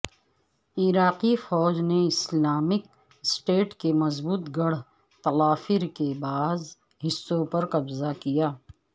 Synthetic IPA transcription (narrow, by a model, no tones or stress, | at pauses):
ɪɾaːqifɔːd͡ʒneɪslaːmɪk̚ | sʈeːʈkemɐzbuːt̪ɡɐɽ | t̪ɐlaːfɪɾkebaːz | ɦɪsːõpɐɾqɐbzakijaː